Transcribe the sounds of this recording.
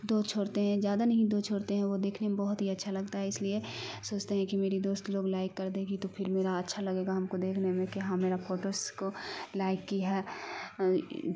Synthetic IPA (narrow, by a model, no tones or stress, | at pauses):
d̪oːt͡ʃʰoːɽt̪eɦɛ̃zjaːd̪anɐɦĩd̪oːt͡ʃʰoːɾt̪eɦɛ̃ʋod̪eːkʰnemẽbɐɦʊt̪ɦiɐtːʃʰalɐɡt̪aɦɛɪsliesoːt͡ʃt̪eɦɛ̃kimeːɾid̪oːst̪loːɡlaːɪkːɐɾd̪ẽɡit̪opʰɪɾmeːɾaɐtːʃʰalɐɡeːɡaɦɐmkod̪eːkʰnemẽkiɦãmeːɾapʰoːʈoːskolaːɪkːiɦɛː